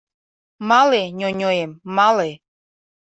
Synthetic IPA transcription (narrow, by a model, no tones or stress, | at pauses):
mɑleɲʲoɲʲojemːɑle